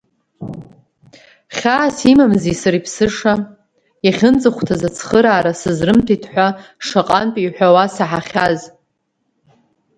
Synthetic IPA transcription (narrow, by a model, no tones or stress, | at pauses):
χʲaːsimamzisaɾipʰsɨʂa | jaχʲɨnt͡sʼɨχʷtʰazat͡sʰχəɾaːɾasɨzrɨmtʰitʰħʷaʂaqʼanpʼiħʷᶣawasaħaχʲaz